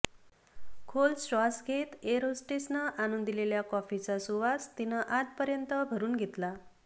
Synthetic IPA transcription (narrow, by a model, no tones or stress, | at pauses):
kʰolsasɡʱet̪eɾosʈesnəʔanund̪ileljakɔfit͡sasuʋast̪inəʔaʈ̪̚pəɾjənt̪əbʱəɾuːnɡʱet̪la